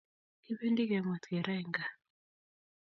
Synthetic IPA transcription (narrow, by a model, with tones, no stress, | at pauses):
i˦be˦ndi˦ɡɛ˨ma˨t̪ɡɛ˨ɾa˦i˨ŋɡa˨